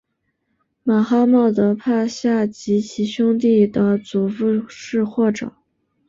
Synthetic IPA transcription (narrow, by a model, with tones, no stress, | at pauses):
ma˨˩xa˥mɑ˥˩t̪ɤ˧˥pʰa˥˧ɕja˥˩t͡ɕi˧˥t͡ɕʰi˧˥ɕjʊ˥ŋt̪i˥˩d̪ə˩t͡su˨˩fu˥˧ʂɻ̩˥˧xwɔ˥˩ʈ͡ʂɤ̰˨˩˦